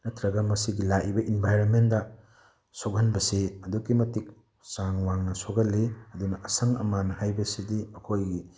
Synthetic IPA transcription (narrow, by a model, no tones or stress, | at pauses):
nɐtʰɾɐɡɐmɐsiɡilaʔibɐʔinbʱajɾonmendɐ | sok̚ɦɐnbɐseɐdukːimɐtik̚ | saŋwaŋnɐsoɡɐlːeɐdunɐʔɐsɐŋɐ̰manhajbɐsidiɐkʰojɡi